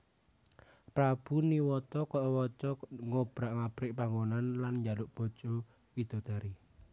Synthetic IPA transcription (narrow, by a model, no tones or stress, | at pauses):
pɾab̥uniwɔt̪ɔkɔʔwɔt͡ʃɔŋob̥ɾaʔŋab̥ɾɪʔpaŋonanlanɲd͡ʒalʊʔb̥ɔ̤t͡ʃɔ | id̪̥ɔ̤d̪̥a̤ɾi